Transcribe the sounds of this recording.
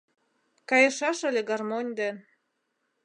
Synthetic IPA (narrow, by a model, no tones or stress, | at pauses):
kɑjɤ̆ʃɑʃə̆lʲĕɡɑrmonʲd̪en